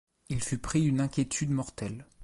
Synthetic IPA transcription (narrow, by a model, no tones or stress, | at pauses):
ilfypχiynɛ̃kʲjet̪ʰyd̪mɔʁt̪ɛl